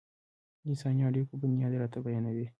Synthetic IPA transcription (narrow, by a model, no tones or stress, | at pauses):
nisaɲjaːɖekubunad̪eɾat̪ɐbɐjɐnɐde